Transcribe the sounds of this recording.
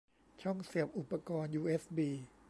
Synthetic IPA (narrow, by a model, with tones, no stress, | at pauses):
t͡ɕʰɔ˥˩ŋsi˨˩əp̚ʔu˨˩pːa˧kɔː˧njuː˧ʔe˦˥sbiː˧